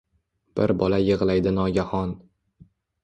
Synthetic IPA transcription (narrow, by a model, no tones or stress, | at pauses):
b̥ɪɾbɒlajɨʁlˠajd̪ɪnɒɡʲahɒn